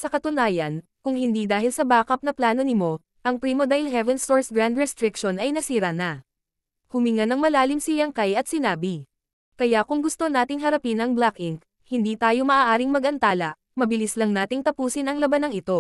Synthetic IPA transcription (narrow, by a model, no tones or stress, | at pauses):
sɐkɐt̪ʊnaːjɐn | kʊŋhɪnd̪id̪aːɦɪlsɐbaːkɐp̚nɐplaːno̞nɪmo̞ | ʔɐŋpɾimod̪aɪlhɛvɛnst̪oɹsɡɾand̪ɹɛst̪ɾɪkʃonɐjnɐsiːɾɐnɐ | hʊmiŋɐnɐŋmɐlaːlɪmsɪjɐŋkajɐt̪̚sɪnaːbɪ | kɐjakʊŋɡʊst̪o̞naːt̪ɪŋɦɐɾɐpinɐŋblakɪŋk | hɪnd̪iːt̪aːjo̞mɐʔaːʔaːɾɪŋmɐɡɐnt̪aːlɐʔ | mɐbɪlislɐŋnaːt̪ɪŋt̪ɐpuːsɪnɐŋlɐbanɐŋɪt̪o̞